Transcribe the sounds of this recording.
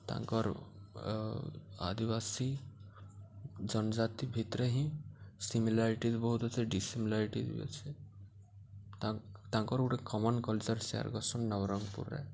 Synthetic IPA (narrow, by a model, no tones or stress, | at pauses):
t̪ã̰ŋkɔɾ | a̰d̪iβasi | d͡ʒɔnɔd͡ʒat̪ibʱit̪ɾeɦĩsimilaɾiʈizbɔɦut̪ɔt͡ʃʰɛɖisimilaɾiʈḭdṵjḛt͡ʃʰe | at̪ãŋkɔɾuʈekɔmɔnkɔlt͡ʃɔɾsea̰ɾɡɔsɔnːɔʋɾɔŋɡpṵɾːɛ̰